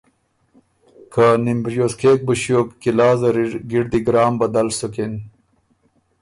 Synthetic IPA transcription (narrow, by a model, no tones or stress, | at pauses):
kʰanimbɾijoskeːk̚buɕjoːkːilaːzɐɾiɡiɽd̪iɡɾaːmbɐd̪ɐlsukin